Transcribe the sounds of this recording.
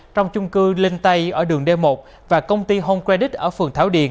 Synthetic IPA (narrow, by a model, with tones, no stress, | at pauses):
t͡ɕɔ˧wŋ͡mt͡ɕʊ˧ŋ͡mkɨ˧le˧nt̪a˧jʔəː˧˩ɗɨ˨˩əŋɗe˧mo˨˩p̚ | vaː˨˩kə˧wŋ͡mt̪i˧ɦo˧mkwɛ˧ɗi˦˥t̚ʔəː˧˩fɨ˨˩əŋt̪ʰaː˧˦wɗḭ˧˩ən